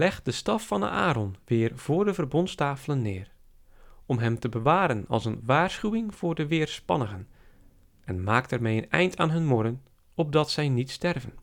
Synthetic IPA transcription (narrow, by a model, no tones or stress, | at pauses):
lɛxt̚dəstɑfːɑnə̰ʔa̰ːɾɔnʋɪːrv̥ʊːrdəvərbɔntstaːfələnːɪːr | ɔmɦɛmtəbəʋaːɾənɑ̰lˠsənʋaːrsχywɪŋv̥ʊːrdəʋɪːrspɑ̰nəɣən | ʔɛnmaːk̚tɛrmejənɛ̰jntʰa̰ːnɦɵnmʊrən | ɔp̚dɑtsɛjnitstɛrvən